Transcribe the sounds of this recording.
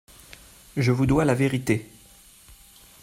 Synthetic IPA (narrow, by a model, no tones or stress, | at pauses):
ʒəvud̪walaveʁit̪e